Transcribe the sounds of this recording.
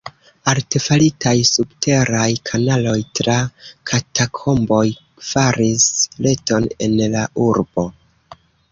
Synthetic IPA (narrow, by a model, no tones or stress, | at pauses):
alte̞falitʰajsubte̞ɾajkʰanalo̞jtɾakʰatʰakʰo̞mbo̞j | faɾisle̞to̞ne̞̰nlauɾbo̞